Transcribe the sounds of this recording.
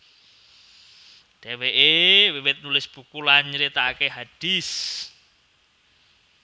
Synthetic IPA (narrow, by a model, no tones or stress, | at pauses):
ɖ̥eweʔewiwɪt̪̚nulɪsb̥ukulanɲəɾit̪aːkeɦad̥is